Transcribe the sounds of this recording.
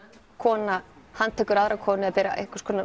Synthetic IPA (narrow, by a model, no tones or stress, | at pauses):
kʰɔːna | hanːt̪ʰɛːkʏɾaðɾakʰɔːnɪaðpɛːɾa̰ʔḛhkʏ̥skʰɔːna